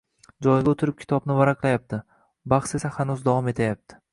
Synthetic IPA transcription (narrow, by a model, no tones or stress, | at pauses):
d͡ʒɒjɡʲaot̪ʰɪɾɪp̚kʰʲɪ̥t̪ʰɒbnɪvaɾaqlˠajap̚t̪ʰɪ | baχse̞sahanʊzd̪avɒme̞t̪ʰajap̚t̪ʰɪ